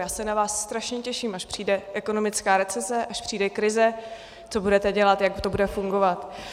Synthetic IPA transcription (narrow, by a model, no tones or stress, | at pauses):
jaːsɛnavaːsːt̪ɾaʃɲɛcɛʃiːmaʃpr̝̥iːdɛʔɛko̞no̞mɪt͡skaːɾɛt͡sɛsɛʔaʃpr̥iːdɛkɾɪzɛ | t͡so̞budɛt̪ɛɟɛlat̪jaɡt̪o̞budɛfuŋɡovat̪